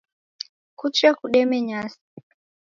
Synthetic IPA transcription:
kut͡ʃakuɗɛmɛɲasi̥

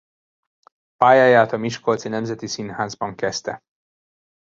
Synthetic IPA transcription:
paːjaːjaːt̪ɒmiʃko̞lt̪sinɛmzɛt̪isinhaːzbɒŋkɛst̪ɛ

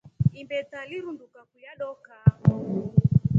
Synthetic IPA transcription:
imbɛtaliɾundukakujaɗɔka

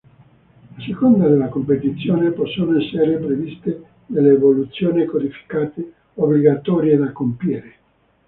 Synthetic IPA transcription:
asekond̪ad̪elːakompet̪it̪sːjoːnepɔsːoːnoɛsːeɾepɾevist̪e | d̪elːeːvolut̪sːjoːnikod̪ifi̥kaːt̪e | obliɡat̪ɔːɾjed̪akːompjiːɾe

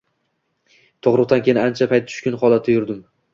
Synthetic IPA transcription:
t̪ʰoʁɾʊqt̪ankʲʰejɪnɪant͡ʃʰapʰajt̪̚ːʰʊ̥ʃkʲʊnχɒlˠat̪ʰːɪjʊɾd̪ɪm

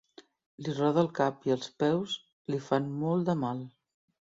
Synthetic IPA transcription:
lirɔðəːlˠkapiəlˠspɛws | lifanmɔlˠd̪əmalˠ

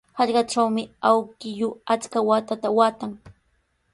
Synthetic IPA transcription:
hɑʎɢɑʈ͡ʂawmɪawkɪʎʊat͡skawat̪at̪awaːt̪aŋ

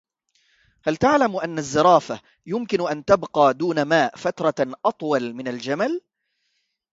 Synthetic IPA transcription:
halt̪aʕlamʔanːazːɨɾˤɑːfa | jʊmkɪnʔant̪abqɑːd̪uːnamaːʔfat̪ɾˤɑʔɑt̪ˤwɑlmɪnald͡ʒamal

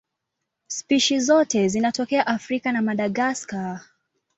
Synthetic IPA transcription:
spiʃizɔtɛzinatɔkɛaʔafɾikanamaɗaɠaska

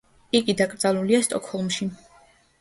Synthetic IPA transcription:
iɡid̪akʼɾd̪zaluliast̪ʼɔkʰhɔlˠmʃi

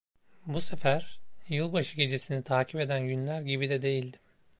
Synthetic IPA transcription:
buse̞fæɾ̥jɯlˠbaʃɯɟe̞d͡ʒe̞sinit̪ʰaːcʰipe̞d̪ænɟynlʲæɾɟibid̪ɛd̪e̞jilʲd̪im

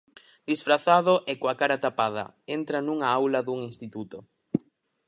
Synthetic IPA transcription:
d̪̥isfɾaθað̞ʊʔɛkoakaɾat̪apað̞ɐ̰ent̪ɾɐnuŋaawlɐðuŋinst̪it̪ut̪o

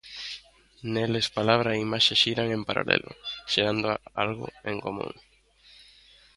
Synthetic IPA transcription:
nelespalaβɾaimaʃeʃiɾaŋẽmpaɾa̰lɛ̰lʔʊ̰ʃeɾand̪ʊalɣʊ̰eŋkomṵ̃ŋ

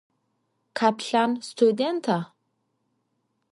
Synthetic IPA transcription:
kʰapɬanst̪ʰud̪ent̪ʰa

